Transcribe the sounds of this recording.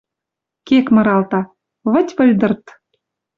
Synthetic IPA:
kekmɤ̆ɾɑlt̪ɑ | βə̆tʲβə̆lʲd̪ɤ̆rt̪

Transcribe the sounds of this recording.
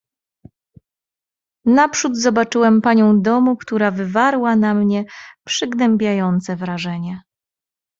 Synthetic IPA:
napʂud̪zɔbat͡ʂɘwɛmpaɲɔ̃w̃d̪ɔmukt̪uɾavɘvaɾwanamɲɛpʂɘɡnɛmbʲjajɔnt̪sɛvɾaʐɛɲɛ

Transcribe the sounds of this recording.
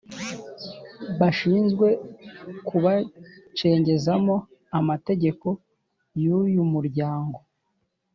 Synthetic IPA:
βaʃiːnzɡwe̞kuβat͡ʃe̞ːɲɟe̞zamo̞ | amate̞ɟe̞ko̞ | jujumuɾɟaːŋɡo̞

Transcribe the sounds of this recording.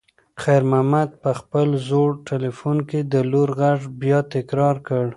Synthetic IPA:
xajɾmamad̪̚pəxpəlzoɽʈelifunked̪əloɾɣaʐbjɑt̪ɪkɾɑɾkəɽ

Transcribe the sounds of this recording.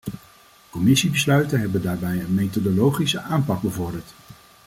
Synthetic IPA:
kɔmɪsibəslœɥtənɦɛbəndaːɹbɛjənmejtodolowχisəʔaːmpɑɡ̚bəvɔɹdəɹt

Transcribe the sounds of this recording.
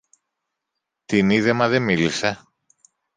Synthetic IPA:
t̪iniðemɐðe̞milise

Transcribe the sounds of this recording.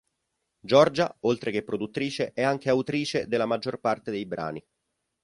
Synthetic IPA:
d͡ʒɔrd͡ʒaolt̪ɾek̟epːɾod̪ut̪ːɾiːt͡ʃeʔɛaŋk̟eawt̪ɾiːt͡ʃed̪elːamad͡ʒːorpart̪ed̪ejbɾa̰ːni

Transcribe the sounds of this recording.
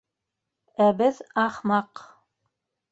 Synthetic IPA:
æbɘðɑχmɑq

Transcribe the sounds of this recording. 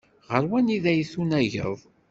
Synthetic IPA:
ʁəɾwæniðæjθunæʝə̰ðˤ

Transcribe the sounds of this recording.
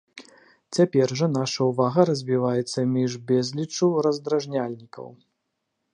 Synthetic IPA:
t͡sʲapʲɛrʐɐn̪aʂɐwvaɣɐɾɐzʲvʲivajɛt̪sːɐmʲiʐbʲɛzʲlʲit͡ʂuwɾɐzd̪ɾaʐnʲalʲnʲikɐ̰w

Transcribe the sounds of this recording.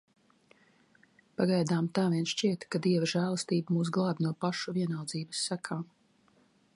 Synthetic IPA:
paɡajd̪aːmt̪aːviɛnʃt͡ʃiɛt̪kad̪iɛvaʒæːlˠast̪iːbamuːs̬ɡlˠaːbʲnuɔpaʃuviɛnawd̪ziːbəsːakʰaːm

